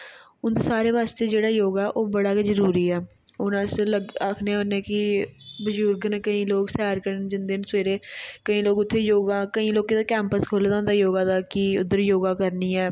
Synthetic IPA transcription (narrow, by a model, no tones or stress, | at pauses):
ʊnd̪eːsaːɾeːʋaːst̪eːd͡ʒeːɽaːjoːɡɛːʔoːbəɽaːkezəɾuːɾiːɛː | ʊnãːsləɡaːkʰneːɦʊnẽːkɪbəd͡ʒuːɾɡənkəĩːloːksɛːɾkəɾənd͡ʒɪnd̪eːnsʋeːɾeːkəĩːloːɡʊt̪ʰːeːjoːɡãːkəĩːloːkeːt̪aːkɛ̃ːmpəskʰoːleːd̪aʊ̃nd̪aːjoːɡãːd̪aːkiːʊ̰d̪ːəɾjoːɡãːkəɾniːɛː